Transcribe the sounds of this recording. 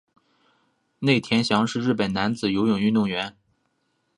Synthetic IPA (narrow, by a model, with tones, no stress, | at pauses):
ne˥˩ɪt̪ʰjɛ˧˥nɕjɑ˧˥ŋʂɻ̩˥˧ɻɻ̩˥˩pə˨˩na˧˥nd͡zɹ̩˨˩jo˧˥ʊjʊ˨˩ŋy˥˧t̪ʊ˥˩ŋɥɛ˧˥n